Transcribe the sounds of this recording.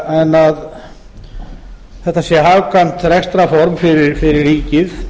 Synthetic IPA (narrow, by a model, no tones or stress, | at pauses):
ɛnːað | θɛht̪ːasjɛɦaːvkant̪θɾɛxst̪ɾafɔɾmfɪɾɪɾfɪɾɪrːiːcɪθ